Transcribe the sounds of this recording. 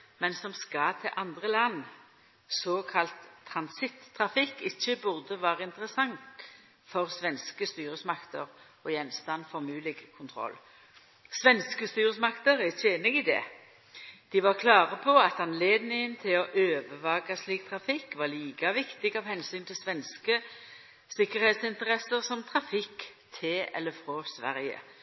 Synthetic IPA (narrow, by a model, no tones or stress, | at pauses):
mɛnsɔmskɑt̪ʰɪlʔɑnd̪ʁəlɑnː | sɔːkʰɑlt̪ʰːɾɑnsɪt̪ʰːʁɑfɪkːɪçːəbʊʁd̪əʋæːʁəɪnt̪əʁəsɑŋt | fɔʁsʋɛnskəst̪yːʁəsmɑkt̪ə̰ʁ | ɔjɛnst̪ɑnfɔʁmʉːlɪɡkʰʊnt̪ʰʁɔ̰lː | sʋɛnskəst̪yːʁəsmɑkt̪əʁɛçʰnəɡɪd̪ɛ̰ː | d̪̥iʋɑʁkʰlɑːʁəpʰɔɑt̪ɑnleːd̪nɪŋənt̪ʰɪlɔʔøːʋəʋɑːɡɑsliːk̚t̪ʰʁɑfɪkːʋɑʁliːkɑʋɪkt̪ɪɡɑʋhɛnsyːnt̪ʰɪlsʋɛnskə | sɪkəʁhɛːt̪sɪnt̪əʁɛsəʁsɔmt̪ʰʁɑfɪkt̪ʰeːɛ̰lːəfʁɔsʋæ̰ʁjə̰